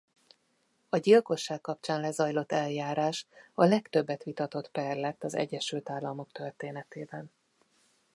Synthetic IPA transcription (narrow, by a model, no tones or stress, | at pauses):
ɒɟilko̞ʃːaːkːɒp̚t͡ʃaːnlɛzɒjlo̞t̪ːɛljaːɾaːʃɒlɛkt̪øbːɛt̪ʋit̪ɒt̪o̞t̪pɛrlɛt̪ːɒzɛ̰ɟːɛʃylt̪aːlːɒmo̞k̚t̪ørt̪eːnɛt̪eːbɛn